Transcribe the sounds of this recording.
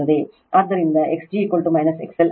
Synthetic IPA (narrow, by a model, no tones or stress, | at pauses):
ɐðe | ʔɐɾd̪ɐɾind̪ɐʔeksd͡ʒikolʈumɐjnɐsḛksel